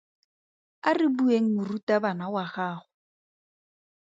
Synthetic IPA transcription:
arɪbueŋ̩mʊrutʼabanawaχaːχʊ

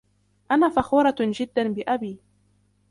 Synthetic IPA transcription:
ʔanaːfɑxuːɾˤɑd͡ʒɪd̪ːanbɪʔabiː

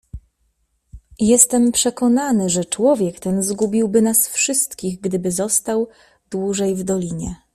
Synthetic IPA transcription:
jɛst̪ɛmpʂɛkɔnanɘʐɛt͡ʂwɔvʲjɛkt̪ɛnzɡubʲiwbɘnasfʂɘst̪kʲiɣɡd̪ɘbɘzɔst̪aw | d̪wuʐɛjvd̪ɔlʲiɲɛ

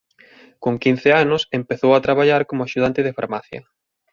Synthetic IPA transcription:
koŋkin̟θeanʊsempeθowat̪ɾaβaʎaɾkomʊaʃuð̞ant̪ɪðefa̰ɾmaθjɐ̰

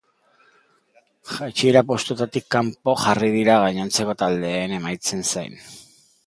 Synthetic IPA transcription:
xat͡ʃieɾapo̞st̪ut̪at̪ikːampo̞xarið̞iɾaɣ̞aɲant͡se̞ko̞t̪ald̪e̞ːne̞majt͡se̞nsajn

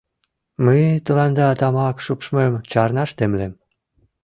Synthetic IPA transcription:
məjt̪ə̆lɑnd̪ɑt̪ɑmɑkʃupʃmemt͡ɕɑrnɑʃt̪emlem

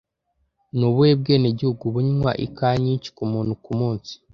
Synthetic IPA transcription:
nuβuweb̚ɡeːneɟihuɡuβuɲnwa̰ʔḭkaɲiːɲci̥kumuːn̥ukumuːnsi̥

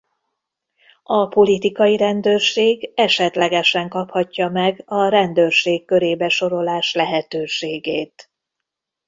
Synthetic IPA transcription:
ɒpo̞lit̪ikɒjiɾɛnd̪øːrʃeːɡɛʃɛt̪lɛɡɛʃɛŋkɒphɒcːɒmɛɡɒɾɛnd̪øːrʃeːkːø̞ɾeːbɛʃo̞ɾo̞laːʃlɛɦɛt̪øːʃeːɡeːt̪

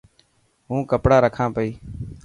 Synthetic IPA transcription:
ɦũːkəpɽaːɾəkʰãːpəiː

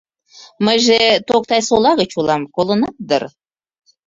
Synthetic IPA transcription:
məjʒet̪ok̚t̪ɑjsolɑɣət͡ɕulɑmkolə̆nɑt̪̚d̪ər

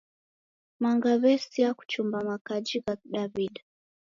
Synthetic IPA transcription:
maŋɡaβɛsiaku̥t͡ʃumbamakad͡ʒiɣaɗaβiɗa

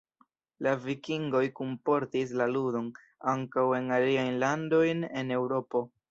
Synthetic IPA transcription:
lavikiŋɡo̞jkumpo̞ɾtis̬laludo̞n | aŋkawe̞naliajnlando̞jne̞ne̞wɾo̞po̞

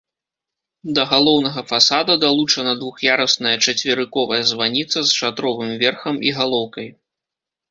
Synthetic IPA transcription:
d̪ɐɣalˠɔwnɐɣɐfasad̪ɐd̪alˠut͡ʂɐnɐd̪vuxjaɾɐsnɐjɐt͡ʂɐt͡sʲvʲɪɾɨkɔvɐjɐzvanʲit̪sɐzʂat̪ɾɔvɨmvʲɛrxɐmiɣalˠɔwkɐj

